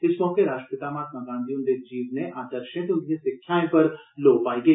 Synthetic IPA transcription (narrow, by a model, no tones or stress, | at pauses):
t̪ɪsʋõːkeɾaːʃʈəpɪt̪aːmaːt̪maɡãːnd̪ijʊ̃nd̪eːkd͡ʒiːʋneʔaːd̪əɾʃẽt̪eʊnd̪iẽsɪkʰjaːẽpəɾloːpaːiːɡəeiː